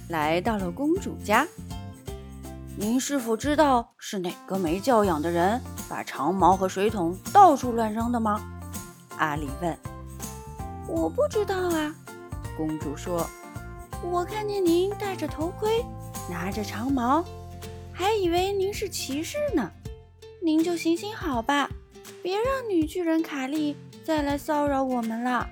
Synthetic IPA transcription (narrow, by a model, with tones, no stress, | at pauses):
la˧˥ɪt̪ɑ˥˩ʊlə˩kʊ˥ŋʈ͡ʂṵ˨˩t͡ɕja˥ | ni˧˥nʂɻ̩˥˩fu˨˩ʈ͡ʂɻ̩˥t̪ɑ˥˧ʊ | ʂɻ̩˥˩ne˨˩ɪɡ̥ə˦me˧˥ɪt͡ɕjɑ˥˩ʊjɑ˨˩ŋd̪ə˦ɻə˧˥npa̰˨˩ʈ͡ʂʰɑ˧˥ŋmɑ˧˥ʊxɤ˧˥ʂwe˧˥ɪt̪ʰʊ˧˥ŋt̪ɑ˥˧ʊʈ͡ʂʰu˥˧lwa˥˩nʂɤ˥ŋd̪ə˨mɐ˨˩ | a˥lḭ˨˩wə˥˩n | wɔ˨˩pu˥˩ʈ͡ʂɻ̩˥t̪ɑ˥˩ʊlɐ˩ | kʊ˥ŋʈ͡ʂu˥˩ʂwɔ˥ | wɔ˨˩kʰa˥˩˧nt͡ɕjɛ˥˩ni˧˥nt̪a˥˩ʈ͡ʂə˨˩t̪ʰo˧˥ʊkʰwe˥ɪna˧˥ʈ͡ʂə˧ʈ͡ʂʰɑ˧˥ŋmɑ˧˥ʊxa˧˥ɪi˨˩we˥ɪni˧˥nʂɻ̩˥˩t͡ɕʰi˧˥ʂɻ̩˥˩nə˩ | ni˧˥nt͡ɕjo˥˩ʊɕi˧˥ŋɕi˧˥nxɑ˨˩ʊbɐ˥ | pjɛ˧˥ɻɑ˥˩ŋny˨˩t͡ɕy˥˩ɻə˧˥nkʰa˨˩li˥˩ | t͡sa˥˩ɪla˧˥ɪsɑ˥ʊɻɑ˧˥ʊwɔ˨˩mə˧nlə˧